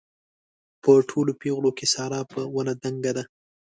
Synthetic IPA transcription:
pəʈʰolopeɣlokesɑɾɑpəwənad̪aŋɡad̪a

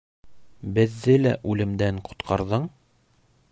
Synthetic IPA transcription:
bɘ̆ðːɘlæʔʉlɘ̆md̪æɴqʰŏ̥t̪qʰɑɾðɤɴ

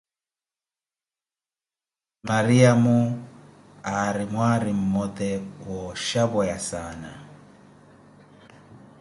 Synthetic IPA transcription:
maɾiamu | aɾimwaɾim̩mɔtɛwɔʃaβɔjasaːna

